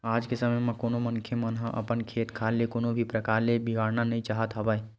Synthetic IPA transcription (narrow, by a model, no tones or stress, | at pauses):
aːd͡ʒkesɐməjmɐ̃koːnomɐ̃nkʰemɐnɦãʔɐ̰pənkʰeːt̪kʰaːlekoːnobʱipɾɐkaːɾlebiɡaːɾnanɐɦĩt͡ʃaːɦət̪ɦɐbəe